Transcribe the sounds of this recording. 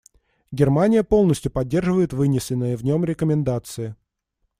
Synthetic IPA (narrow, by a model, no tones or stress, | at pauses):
ɡʲɪrmanʲɪjəpo̞lˠnəsʲtʲjʊpɐdʲːe̞rʐɨvəjɪt̪vɨnʲɪsʲɪnːɨjəvnʲo̞mɾʲɪkəmʲɪnd̪at̪sɨɪ